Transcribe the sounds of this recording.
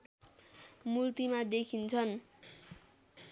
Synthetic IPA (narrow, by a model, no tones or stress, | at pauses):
murt̪imad̪ekʰint͡sʰʌn